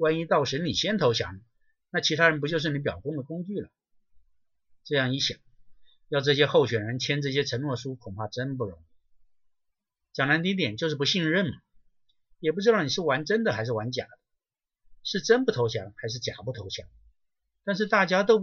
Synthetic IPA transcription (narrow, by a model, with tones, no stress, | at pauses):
wa˥ni˧˥t̪ɑ˥˩ʊʂə˧˥nli˨˩ɕjɛ˥nt̪ʰo˧˥ʊɕʰjɑ̰˧˥ŋə˧ | na˥˩t͡ɕʰi˧˥t̪ʰa˥ɻə˧npu˧˥t͡ɕjo˥˧ʊʂ̬ɻ̩˥˩ni˧˥pjɑ˨˩ʊkʊ˥ŋd̪ə˨kʊ˥ŋt͡ɕy˥˩lə˩ | ʈ͡ʂɤ˥˧jɑ˥˩ŋi˥˩ɕjɑ̰˨˩˦ŋ | jɑ˥˧ʊʈ͡ʂɤ˥˩ɕ̬jɛ˥xo˥˩ʊɕɥɛ˨˩nɻə˧˥nt͡ɕ̪ʰjɛ˥nʈ͡ʂɤ˥˩ɕ̬jɛ˥ʈ͡ʂʰə˧˥nwɔ˥˧˩ʂu˥kʰʊ˨˩ŋpʰa˥˩ʈ͡ʂə˥np̬u˥˩ɻʊ˧˥ŋ | t͡ɕjɑ˨˩ŋla˧˥t̪i˥˧˥t̪jɛ˨˩nt͡ɕjo˥˧ʂɻ̩˥˩p̬u˧˥ɕi˥˧ŋɻə˥˩nmɐ˩ | jɛ˨˩p̬u˥ʈ͡ʂɻ̩˥d̪ɑ˥˩ʊni˨˩ʂɻ̩˥˩wa˧˥nʈ͡ʂə˥nd̪ə˨xa˧˥ɪʂɻ̩˥˩wa˧˥nt͡ɕja̰˨˩d̪̥ə˦ | ʂɻ̩˥˩ʈ͡ʂə˥npu˥t̪ʰo˧˥ʊɕʰjɑ̰˧˥ŋxa˧˥ɪʂ̬ɻ̩˥˩t͡ɕja̰˨˩pu˥˩t̪ʰo˧˥ʊɕʰjɑ˧˥˦ŋ | t̪a˥˧nʂɻ̩˥˧t̪a˥˩t͡ɕja˥t̪o˥ʊ